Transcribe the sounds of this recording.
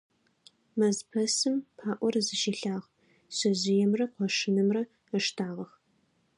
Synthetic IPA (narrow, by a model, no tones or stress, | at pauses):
mɐzpʰɐsɨmpʰaːʔʷɔrzɨʃiɬaːʁ | ɕɐzɪjɛmrɐqʷɔʂɨnɨmrɐ | əʂtʰaːʁɐx